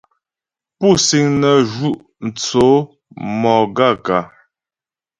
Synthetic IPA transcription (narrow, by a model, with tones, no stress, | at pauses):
pu˦˨si˨ŋnə˨ʒu˦ʔ | n̩˨t͡so˨˦ | mɔ˨ɡa˦˨ka˨